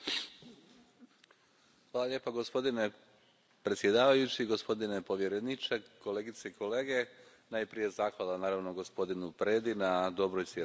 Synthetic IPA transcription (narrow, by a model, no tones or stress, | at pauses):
xʋaːlˠaʎʲje̞ːpaɡo̞spo̞d̪ine̞ | pɾet̪sʲjed̪aːʋajut͡ɕiɡo̞spo̞d̪ine̞po̞ʋje̞ɾenit͡ʃeko̞leːɡit̪seiko̞le̞ːɡe̞ | najpɾije̞zaːxʋalˠanaːɾaʋnoɡo̞spo̞d̪inupɾe̞ːd̪inad̪o̞bɾojsje